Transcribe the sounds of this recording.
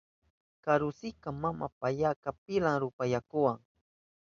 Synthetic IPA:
kaɾʊsɪkamama̰paʎakap̚ɪlaŋɾʊpajakʊwaŋ

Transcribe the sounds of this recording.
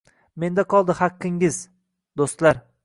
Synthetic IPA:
me̞nd̪aqʰɒlˠd̪ɪhɑqʰːɪŋɪz | d̪ost̪laɾ

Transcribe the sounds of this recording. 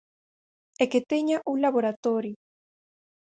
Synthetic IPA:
eket̪eɲaʔuŋlaβoɾat̪oɾjo

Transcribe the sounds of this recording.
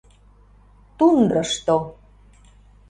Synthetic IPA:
t̪und̪ɾəʃt̪o

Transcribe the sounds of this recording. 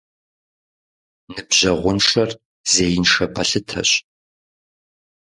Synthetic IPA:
nɨbʑɐʁʷʊnʂɐr | z̥eːjɪnʂɐpʰɐɬɨtʰɐ̰ɕ

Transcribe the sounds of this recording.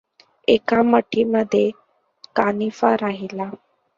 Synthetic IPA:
ekaməʈʰiməd̪ʱːje | kanifaɾaɦila

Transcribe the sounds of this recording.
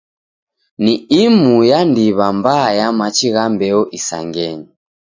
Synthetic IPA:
niimujandiβambajamat͡ʃiɣambɛɔʔisa̰ŋɡɛɲɔ

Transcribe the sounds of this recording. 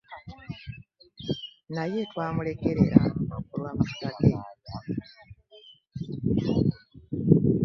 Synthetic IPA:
naje̞twaːmule̞keɾḛɾa̰okuɾwamautade

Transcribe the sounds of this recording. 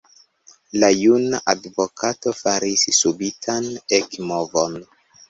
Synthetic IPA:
lajunaʔadvokʰato̞faɾissubitʰanekmovo̞n

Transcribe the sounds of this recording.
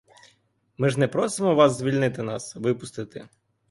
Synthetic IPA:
mɪʒnɛpɾɔsɪmɔʋɑszʲʋʲilʲnɪt̪ɪnɑsʋɪpʊst̪ɪt̪ɪ

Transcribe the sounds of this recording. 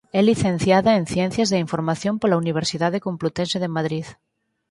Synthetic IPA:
ɛliθẽn̟θjaðaen̟θjɛ̃n̟θjazðeiɱfoɾmaθjõmpolauniβ̞eɾsiðað̞ekomplut̪enseðemaðɾið

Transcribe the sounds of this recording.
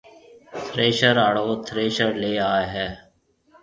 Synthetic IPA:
t̪ʰɾeːʃəɾaːɽoːt̪ʰɾeːʃəɾleːaːeɦɛː

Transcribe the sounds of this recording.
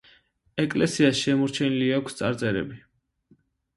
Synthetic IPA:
ɛkʼlɛsiasʃɛmɔɾt͡ʃʰɛniliakʷʰst̪sʼa̰ɾt̪sʼɛɾɛ̰bi

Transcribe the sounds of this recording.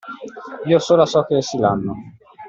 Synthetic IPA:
iːosoːlasɔkːesilanːo

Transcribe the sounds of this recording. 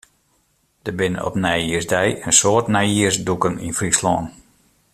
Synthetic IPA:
d̥əbɪnə̰ɔ̰pnɛjiərsdɛjənsoːtnɛjiərsdukəninfrislɔːn

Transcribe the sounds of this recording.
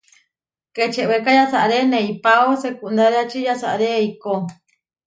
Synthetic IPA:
ket͡ʃeʔwekajasaʔɾenẽipaosekund̪aɾeat͡ʃijasaʔɾeiko

